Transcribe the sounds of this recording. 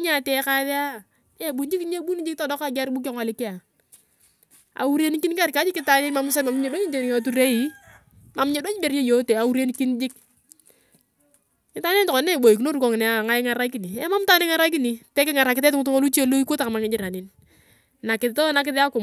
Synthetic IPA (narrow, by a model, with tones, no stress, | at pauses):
ɲa˨tɛ˦ka˦ðe˦a˦˨ | e˦˨bu˨nd͡ʒi˦kɲe˦bu˦ni˦d͡ʒɪ˦k̚tɔ˨dɔ˦ka˦˨ɡa˦ɾbu˦k̬ɔ˦ŋa˨lɪ˦kɪ˦a˨ | a̰˨u˦ɾe˦ni˦ki˦n˦ka˦ɾka˦d͡ʒɪ˦kːɪ˦ta˨ne˦nma˦mʊ˦s̬a˦ma˨mɲe˨do˦ɲi˦d͡ʒe˨n˨ŋo˨tu˦ɾe˦i˨˦ | ma˨m˦ɲe˦do˦ɲ˦be˨ɾe˦jo˦te˨a˨u˦ɾe˦ni˦ki˦nd͡ʒɪ˦k̚ | kɪ˦ta˦ne˦ntɔ˨kɔ˨n˦ne˦˨bo˨i˨k̬ino˦ɾu˦ko˨ŋɪ˨n˨a˦˨ŋa˦ɪ˦ŋa˨˦ɾa˦ki˨ni˨e˦ma˦mta˦ne˦ŋa˦ɾa˦k̬i˦ni˨pɛ˦kɪ˦ŋa˨ɾa˨kɪtɛ˦tɪ˦ŋʊ˦t̬u˦ŋo˦lu˦t͡ʃe˦lo˦i˦ko˦ta˨ka˨ma˨ŋɪ˨˦d͡ʒɪ˦ɾa˨nɪ˦n | na˨kɪ˨ðto˦na˦k̬ɪ˦ðɪ˦a˦kʊ˨m